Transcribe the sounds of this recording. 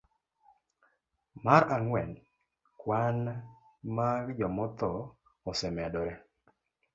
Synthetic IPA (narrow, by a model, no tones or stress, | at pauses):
maɾaŋwɛn | kwan | maɡd͡ʒɔmɔt̪ɔ | ɔsɛmadɔɾɛ